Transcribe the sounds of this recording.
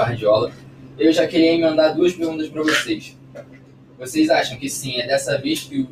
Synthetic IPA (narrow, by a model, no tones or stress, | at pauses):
aɾd͡ʒiɔlɐewʒakeɾiɐĩmẽnd̪aɾd̪uɐʃpeɾɡũnd̪ɐʃpɾɐvosejʃ | vosejzaʃɐ̃w̃kɪsĩɛd̪ɛsɐveʃkɪʊ